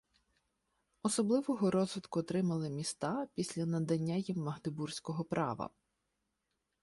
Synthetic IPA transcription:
ɔsɔblˠɪʋɔɦɔɾɔzʋɪt̪kʊɔt̪ɾɪmɐlˠɪmʲist̪ɑpʲisʲlʲɐnɐd̪ɐnʲːajimːɐɦd̪ɪbursʲkɔɦɔpɾʔɑ̰ʋɐ̰

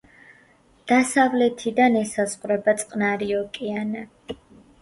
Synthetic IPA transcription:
d̪̥asavlɛt̪ʰid̪anɛsazʁɾɛbat̪sʼqʼnaɾiɔkʼiana

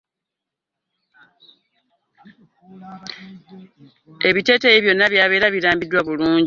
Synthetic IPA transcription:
e̞βite̞ːtejiβjo̞nːaβjaːβe̞ːɾaβiɾaːmbidːwaβuluːɲ

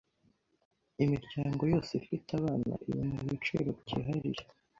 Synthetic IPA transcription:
imiɾɟaːŋɡo̞jo̞ːseifitaβaːna̰ʔiβimuβit͡ʃḛɾo̞ɟiɦaɾḭɾe

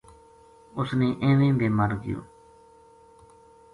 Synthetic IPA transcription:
ʊsneːʔẽːʋẽːb̪eːməɾɡɪ̰jo̰ː

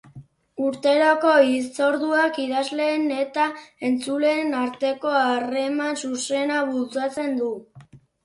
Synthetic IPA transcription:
uɾt̪e̞ɾoko̞ist͡so̞ɾðuakiðazle̞ːne̞t̪ae̞nt͡sule̞ːnaɾt̪e̞ko̞are̞mansuse̞naβult͡sat͡se̞nd̪u

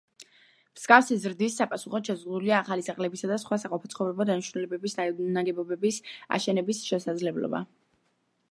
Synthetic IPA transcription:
m̥sɡʼafsizɾd̪isːapʼasuχɔt̪ʃɛzʁd̪uliaːχalisaqʼlɛbisad̪asχwasaqʼɔpʰat̪sʰχɔvɾɛbɔd̪aniʃɾnulɛbɛbisnaɡɛbɔbɛbisa̰ʃɛnɛbisʃɛsad̪zlɛblɔ̰ba̰

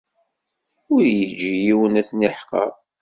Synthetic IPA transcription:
ʊɾjəd͡ʒijiwənæθniħqə̰ɾˤ

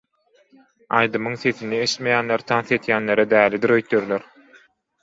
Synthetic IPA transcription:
ɑjd̪ɯmɯŋθe̞θinieʃt̪mejæːnleɾt̪ʰɑnθe̞t̪jæːnleɾed̪æːlid̪iɾøjt̪̚jøɾlʲøɾ

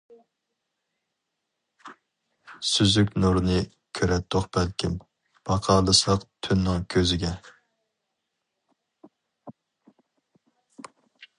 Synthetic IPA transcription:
syzykʲnuɾnɨ | kʲʰøɾɛt̪̚d̪oqbɛlkʲim | b̥ɑqʰɑːlˠɨsɑqt̪ʰynːɪŋkʲʰøzɪɡʲɛ

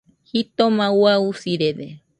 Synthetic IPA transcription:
hit̪omãwausiɾede

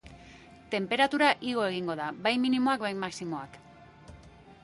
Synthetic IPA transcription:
t̪e̞mpe̞ɾat̪uɾaʔiɣ̞o̞e̞ɣ̞iŋɡo̞ð̞abajminimo̞akβajmaksimo̞ak

